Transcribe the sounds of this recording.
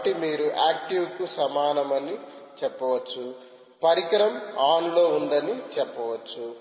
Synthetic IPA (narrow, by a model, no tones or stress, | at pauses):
ʈimiːɾuʔaːk̚ʈiwkusɐmaːnɐmɐni | t͡ʃɛpːɐʋɐt͡ʃːu | pɐɾikɐɾɐmaːnlo̞ːund̪ɐnit͡ʃɛpːɐʋɐt͡ʃːu